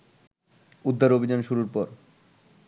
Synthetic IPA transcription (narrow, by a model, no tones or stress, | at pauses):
ud̪ʱːaɾobʱid͡ʑanʃuɾuɾpɔɾ